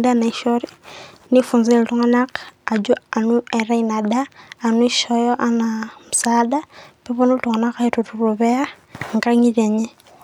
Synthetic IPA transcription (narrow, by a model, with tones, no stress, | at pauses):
da˦na˨i˨ʃoɾi˦ | ni˦fu˨nzeli˨tu˦ŋa˦na˦ka˨d͡ʒu˦a˨nu˦e˨ɾa˦ina˨daː˦˨nu˦i˦ʃo˦joʔa˦namu˨saːda˦pi˦βu˦nu˦tu˨ŋa˨na˦ka˦itu˨tu˨ruβe˦a˦ | ŋɡa˦ɲi˦βe˨ɲe˦